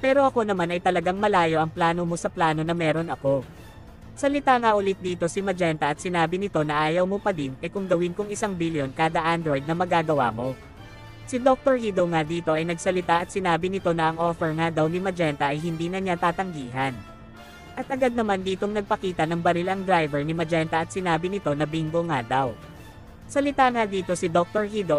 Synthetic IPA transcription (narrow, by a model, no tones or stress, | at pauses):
pɛːɾo̞ʔɐko̞nɐmanɐjt̪ɐlɐɡaŋmɐlaːjo̞ʔɐŋplaːno̞mo̞sɐplaːno̞nɐmɛːɾo̞nɐko̞ | sɐlɪt̪aŋɐʔʊlɪt̪̚d̪iːt̪o̞sɪmɐd͡ʒɛnt̪ɐʔɐt̪sɪnaːbɪnɪt̪o̞nɐʔaːjɐwmopɐd̪ɪnʔɛkʊŋɡɐwɪnkʊŋɪsaŋbiljo̞nkaːd̪ɐʔand̪ɾojd̪̚nɐmɐɡaːɡɐwa̰ːmo̞ | sɪd̪ok̚t̪oɹhiːd̪oŋad̪iːt̪o̞ʔɐjnɐɡsɐlɪt̪aʔɐt̪̚sɪnaːbɪnɪt̪o̞nɐʔɐŋʔo̞ːfɛɹŋad̪ɐwnɪmɐd͡ʒɛnt̪ɐʔɐjɦɪnd̪iːnɐɲat̪aːt̪ɐŋɡiːɦɐn | ʔɐt̪ʔɐɡad̪̚nɐmand̪iːt̪o̞ŋnɐɡ̚pɐkiːt̪ɐnɐŋbɐnɪlaŋd̪ɾajvɛɹnɪmɐd͡ʒɛnt̪ɐʔɐt̪̚sɪnaːbɪnɪt̪o̞nɐbiŋɡoŋad̪aw | sɐlɪt̪aŋad̪iːt̪o̞sɪd̪o̞k̚t̪oɹhid̪o